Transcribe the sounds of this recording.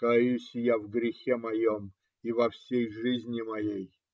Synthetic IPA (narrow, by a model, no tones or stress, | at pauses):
kjusʲjavɡɾʲɪxʲemɐjom | ivɐfsʲejʐɨzʲnʲɪmɐjej